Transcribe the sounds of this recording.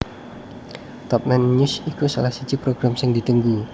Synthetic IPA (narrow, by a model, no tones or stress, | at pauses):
t̪ɔp̚nanɲusikusa̰lahsit͡ʃipɾoɡɾamsəŋdit̪uŋɡu